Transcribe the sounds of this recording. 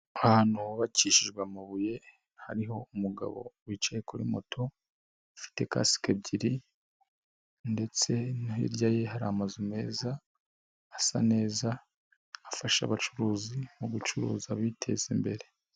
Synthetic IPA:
ahanuhoβaciːʃiʒɡwamaβuje̞ | haɾiɦo̞umuɡa̰βo̞̰wit͡ʃaje̞kuɾḭmo̞̰tʰo̞ | afi̥te̞ka̰si̥kebɟiɾi | nde̞t͡se̞nuɦḭɾɟaje̞ɦaɾamazume̞ːzaː | sa̰ne̞ːzaː | faʃa̰βat͡ʃuɾuːzimuɡut͡ʃuɾṵːzaβitʰe̞̰zimbe̞ɾe̞

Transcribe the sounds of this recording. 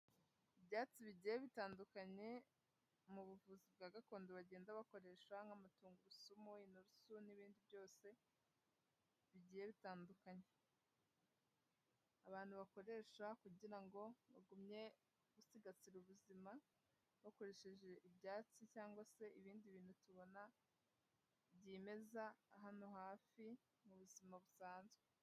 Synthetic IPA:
ibjaːt͡siβiɟiːjeβitaːndukaɲe̞ | muβuvuːzib̚ɡaːɡako̞ːndoβaɟe̞ːndaβako̞ɾe̞ʃwaŋɡamatuːŋɡuɾusumuinuɾusuniβiːndiβjo̞ːse̞ | βiɟiːje̞βitaːndukaɲe̞ | aβaːn̥huβako̞ɾe̞ːʃakuɟiɾaŋɡo̞βaɡumɲe̞ | ɡ̥usiɡat͡siɾuβuzima | βako̞ɾeʃe̞ʒe̞ʔibjaːt͡sicaːŋɡwase̞ʔiβiːndiβiːn̥hutuβo̞na | βɟiːme̞zaːɦano̞haːfi | muβuzimaβusaːnzɡwe

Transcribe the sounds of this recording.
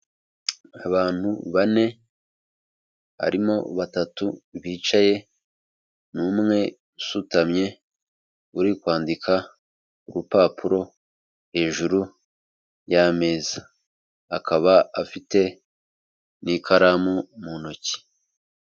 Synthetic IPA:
aβaːn̥huβane̞ | βa̰ɾimo̞βatatuβiːt͡ʃaje̞ | nuːmŋe̞ | usutamɲe̞ | uɾikwaːndikʰa | uɾupaːpʰuɾo̞ | he̞ːʒuɾu | jame̞ːza | akaβaafite̞ | nikʰaɾamumunoci̥

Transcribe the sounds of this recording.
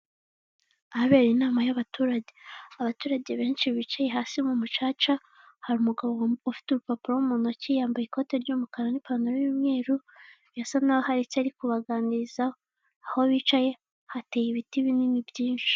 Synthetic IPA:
ahβe̞ːɾinaːmajaβatuːɾaɟe̞aβatuːɾaɟe̞βe̞ːnʃiβit͡ʃaje̞ɦaːsimumut͡ʃaːt͡ʃa | haɾumuɡaβo̞wufi̥tuɾupapiɾoumuno̞cijaːmbajiko̞teɾɟumukaɾanipanuɾojuːmŋe̞ːɾuβjasanawoɦaɾit͡ʃaɾikuβaɡaːniizaoː | ho̞βiːt͡ʃaje̞ | hate̞ːjiβitiβininibɟiːnʃi̥

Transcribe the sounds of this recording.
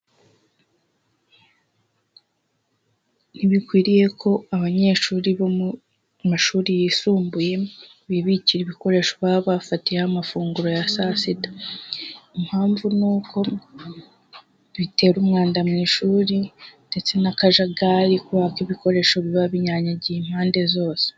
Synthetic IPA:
niβikwiːɾije̞kʰo̞aβaɲe̞ːʃuːɾiβo | maʃuːɾijisuːmbuje̞ | βiβiciɾiβiko̞ɾe̞ːʃoβaβafatijehamafuːŋɡuɾo̞jasasitḁ | im̥haːɱvunuːkʰo̞ | βite̞ːɾumŋaːndamŋiːʃuːɾinde̞t͡se̞nakaʒaɡaːɾikuβakiβiko̞ɾe̞ːʃo̞βiβaβiɲaɲaɟihim̥haːnde̞zo̞ːse̥

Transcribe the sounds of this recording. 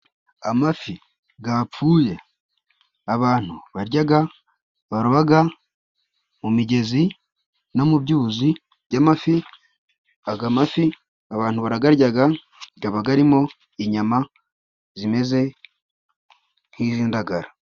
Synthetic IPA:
amafi | ɡap͡ffuːje̞ | aβaːn̥huβaɾɟaɡa | βaɾuβaɡa | mumiɟe̞zi | nomubɟuːzi | bɟamafi | aɡamafi | aβaːn̥huβaɾaɡaɾɟaɡa | ɡaβaɡaɾimo̞ | iɲama | zime̞ze̞ | n̥hiːziːndaɡaɾa

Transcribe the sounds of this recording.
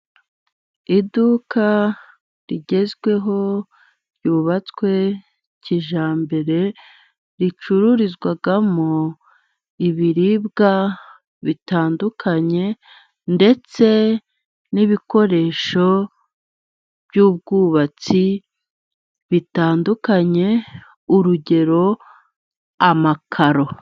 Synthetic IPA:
idukʰa | ɾiɟe̞zɡwe̞ɦo̞ | ɾjuːβat͡swe̞ | ciʒaːmbe̞ɾe̞ | ɾit͡ʃuɾuɾizɡwaɡamo | iβiɾib̚ɡa | βitaːndukʰaɲe̞ | nde̞t͡se̞ | niβiko̞ɾe̞ʃo̞ | b̥juːb̚ɡuːβat͡si | βitaːndukaɲe̞ | uɾuɟe̞ɾo̞ | amakʰaɾo̞

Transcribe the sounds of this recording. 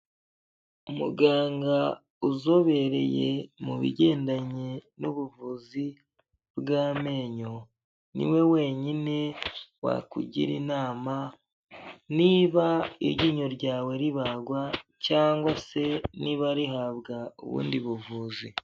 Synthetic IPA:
umuɡaːŋɡa | uzo̞βe̞ɾe̞̰jḛmuβḭɟe̞ːndaɲenuβuvuzi | bɡaːme̞ːɲo̞ | nḭwe̞we̞ɲine̞wa̰kṵɟḭɾḭnaːma | niːβaiɾɟiːɲoɾɟaːwe̞ɾiβaɡwacaːŋɡwase̞niβaɾiɦaβɡaṵβṵːndiβuvuːzi

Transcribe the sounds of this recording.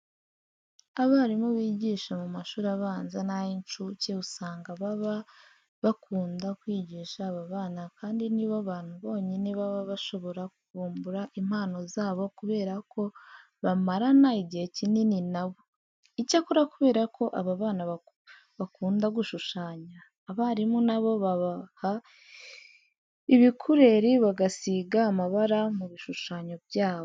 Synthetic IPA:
aβaaɾimoβiːɟiːʃamumaʃuːɾaβaːnzanajint͡ʃuceusaːŋɡaβaβa | βakʰuːndakwiːɟiːʃaːβaβaːnakaːndiniβaβaːn̥huβo̞ːɲineβaβaβaʃo̞βo̞ɾakuuːmbuɾaʔim̥haːno̞zaːβo̞kuβe̞ːɾako̞ | βamaɾanaiɟihe̞cinininaβo̞ | icakuɾakuβe̞ːɾakʰo̞ʔaβaβaːnaβa | βakuːndaɡuʃuʃaːɲaː | βaɾimunaβo̞βaβaha | iβikʰuɾe̞ɾiβaɡasiɡaːmaβaɾamuβiʃuʃaːɲo̞bjaːβo

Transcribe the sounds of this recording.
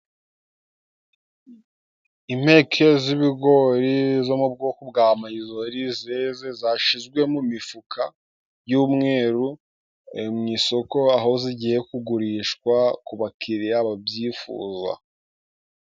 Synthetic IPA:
ime̞kʰe̞ziβiɡo̞ɾizo̞mub̚ɡokubɡaːmaizo̞ɾizeze̞zaʃizɡwe̞mumifukʰa | juːmŋe̞ːɾu | emŋiːso̞ko̞aɦo̞ziɟije̞kuɡuɾiːʃkwakuβakʰiɾiɾaβabjiːfṵːzwa̰

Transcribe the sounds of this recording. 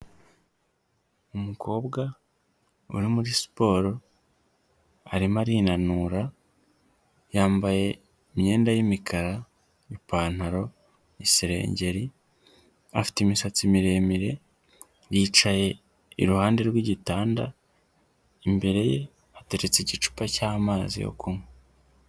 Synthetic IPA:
umukʰo̞ːbɡa | ṵɾimuɾispo̞ːɾo̞ | a̰ɾimaɾiːnanuːɾa | jaːmbaje̞ | imɲe̞ːndajimikʰaɾa | ipaːn̥haɾo̞ | isiɾe̞̰ːɲɟe̞ɾi | a̰fi̥temisat͡simiɾe̞ːmiɾe̞ | jiːt͡ʃaje̞ | ḭɾuhaːnde̞ɾɡwiɟitaːnda | imbe̞ɾe̞je̞ | ate̞ɾet͡seɟit͡ʃu̥pacaːmaːzḭjo̰kume

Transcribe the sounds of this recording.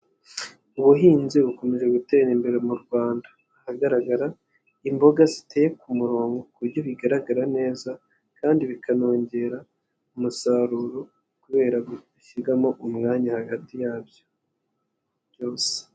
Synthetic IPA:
uβuɦiːnziβuko̞meʒe̞ɡute̞ɾimbe̞ɾe̞muɾɡwaːndaːhaɡaɾaɡaɾa | imbo̞ɡazite̞ːje̞kumuɾo̞ːŋɡo̞kuɾɟoβiɡaɾaɡaɾane̞ːza | kaːndiβikʰano̞ːɲɟe̞ːɾa | umusaɾuɾo | kuβe̞ːɾaβuiʃiɡamo̞ʔumŋaːɲahaɡatijaːβjo̞̥ | jo̞ːse̥

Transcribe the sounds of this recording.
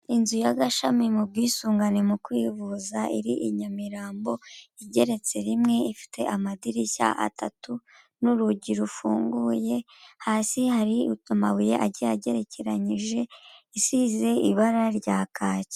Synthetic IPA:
inzujaɡaʃamimubɡiːsuːŋɡane̞mukwiːvuzaʔiɾiʔiɲamiɾaːmbo̞iɟe̞ɾe̞t͡se̞ɾimŋe̞ifi̥tʰe̞ʔamadiɾica̰ʔa̰tʰatu | nuɾuɟiɾufuːŋɡuje̞ | haːsihaɾiutumawuje̞ʔaɟeaɟe̞ɾe̞ce̞ɾaɲiʒe̞isize̞iβaɾaɾɟaːkʰaːce̥

